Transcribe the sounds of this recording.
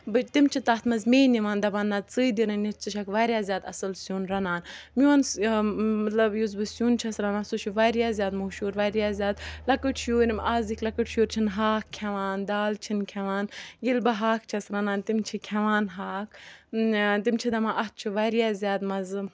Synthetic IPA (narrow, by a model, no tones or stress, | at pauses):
bɨt̪imt͡ʃʰit̪ɐt̪mɐzmeːnːiʋaːnd̪ɐbanːat͡sɨːd̪iɾɐnnitt͡sɨʃʰɐkʋaːɾjaːzʲjaːd̪ɐsɨlsjuːnɾɐnaːnmʲiɐn | mɐt̪lɐbjuzbɨsjuːnt͡ʃʰɐsɾɐnãːnsut͡ʃʰuʋaːɾijaːzʲjaːd̪muʃuːɾʋaːɾjaːzʲjaːd̪̚lɐkɨʈʃjuːɾʲimaːzikʲlɐkɨʈʃjuːɾʲt͡ʃʰinɦaːkkʲʰːɐʋaːnd̪aːlt͡ʃʰinkʲʰɛʋaːnɡilbɐɦaːkt͡ʃʰɐsɾɐnaːnt̪imt͡ʃʰikʲʰɐʋaːnɦaːkʰ | t̪imt͡ʃʰid̪ɐmaːʔɐt̪̚t͡ʃʰuʋaːɾjaːzʲjaːd̪mɐz